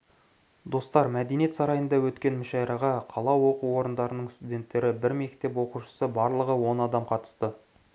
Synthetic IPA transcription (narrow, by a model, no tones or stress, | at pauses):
d̪o̞st̪ɑɾmæd̪enije̞t̪sɑɾɑjənd̪ɑwɵt̪kʲe̞nmɪʃɑjɾɑʁɑqʰɑlˠɑwo̞quo̞ɾənd̪ɑɾənəɴst̪ud̪ʲe̞nt̪ːe̞ɾɪbɪɾme̞k̚t̪e̞p̬wo̞quʃə̥səbɑɾlˠəʁəwo̞nɑd̪ɑmqʰɑt̪ə̥st̪ə